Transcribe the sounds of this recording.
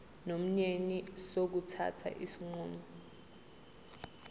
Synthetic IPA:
nom̩ɲenisok̬utʰa̰tʰa̰ʔisiŋ͡ǃuːmɔ

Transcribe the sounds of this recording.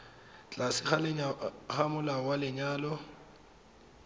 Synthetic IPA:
t͡ɬʼasɪχalɪɲaχamʊlawalɪɲaːlɔ

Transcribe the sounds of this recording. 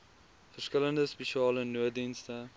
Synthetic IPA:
fəʃkələnd̪əspeʃiɑːlənːuəd̪inst̪ə

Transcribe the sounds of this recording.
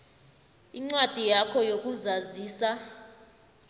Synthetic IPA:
iŋ͡ǀwad̥ʱijakʰɔjok̬ʼuzaziːsa

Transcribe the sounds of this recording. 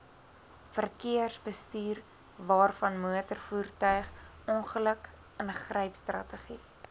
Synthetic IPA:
fərkiərsbəstyːr | vɑːrfɐnmuətərfuːrtœɥχ | ɔnχələk | ənəχrəjpstrɐ̰təχi

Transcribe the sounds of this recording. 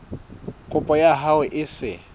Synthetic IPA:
kʼʊpʼɔjaɦawɪʔɪsɪ

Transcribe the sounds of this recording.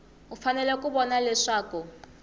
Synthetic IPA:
ufanɛlɛkubɔnalɛʂaːku

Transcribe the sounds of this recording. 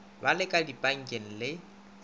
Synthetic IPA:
balɪkʼadipʼaŋ̩kʼen̩lɪ

